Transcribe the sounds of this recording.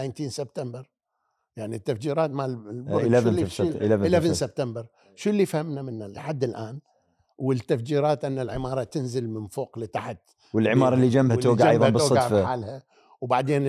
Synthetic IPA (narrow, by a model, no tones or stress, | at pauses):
ant̪iːnsɪb̚t̪ambɪɾˤ | jaʕnit̪ːafd͡ʒiːɾɑːt̪mallbʊʔlalʔlaɪlafɪnsɪb̚t̪ambɪɾˤ | ʃulːiːfhamnamɪnːalɪħad̪ːɪlʔaːn | wɪt̪ːafd͡ʒiːɾɑːt̪ʔɪnːalʕɪmɑːɾˤɑt̪ɪnzɪlmɪnfoːqlɪt̪aħt̪ | wɪlʕɪmɑːɾˤɑlːid͡ʒambhat̪oːɡaʕʔɑjðˤɑb̪soːˤɡaʕfħaːlha | wbaʕd̪eːn